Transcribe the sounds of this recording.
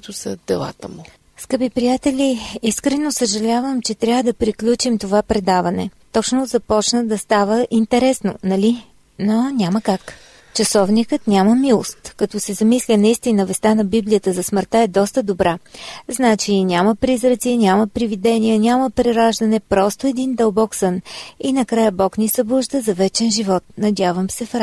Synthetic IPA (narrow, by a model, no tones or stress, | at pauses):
kt̪osə̰d̪̥ɛ̰lˠa̰t̪əmu | skəpipɾijat̪ɛlʲiiskɾɛnosəʒɐlʲavəmt͡ʃɛt̪ɾʲavəd̪ɐpɾiklʲut͡ʃimt̪ovapɾɛd̪avɐnɛ̰t̪ɔt͡ʃnozɐpɔt͡ʃnəd̪ɐst̪avəʔint̪ɛɾɛsno̰nɐlʲi | nonʲaməkak | t͡ʃɐsɔvnikət̪nʲaməmilˠo̰st̪kɐt̪ɔsɛzɐmislʲənɐist̪inəvɛst̪anɐbiblʲijət̪əzɐsməɾt̪aɛd̪ɔst̪əd̪obɾaznat͡ʃinʲaməpɾizɾət̪siɛnʲaməpɾivid̪ɛnʲijənʲaməpɾɛɾaʒd̪ɐnɛpɾɔst̪oɛd̪ind̪ɐlˠbɔksəninɐkɾajəbɔknisɐblˠuʒd̪əzɐvɛt͡ʃɛnʒivɔt̪̚nɐd̪ʲjavəmsɛfɾ